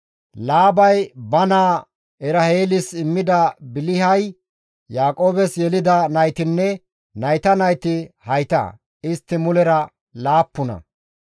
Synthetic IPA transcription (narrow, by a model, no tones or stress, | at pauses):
laːbɐjbɐnaː | ɛɾɐheːlɪsɪmːɪd̪ɐbɪlɪhɐj | jaːkʼo̞ːbɛsjɛlɪd̪ɐnɐjt̪ɪnːɛ | nɐjt̪ɐnɐjt̪ɪhɐjt̪ɐ̰ | ɪst̪ːɪmʊlɛɾɐ | laːpːʊnɐ̰